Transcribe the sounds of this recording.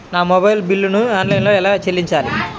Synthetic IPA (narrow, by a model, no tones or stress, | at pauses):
naːmobɐjlbilːunuaːnlɐjnlo̞ːɛlaːt͡ʃelːiɲt͡ʃaːlḭ